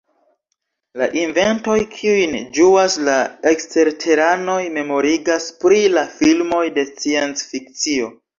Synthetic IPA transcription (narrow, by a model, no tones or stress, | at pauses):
laʔinve̞nto̞jkʰiujnd͡ʒuaslae̞kste̞ɾtʰe̞ɾano̞jme̞mo̞ɾiɡaspɾilafilmo̞jde̞t͡siensfik̚t͡sio̞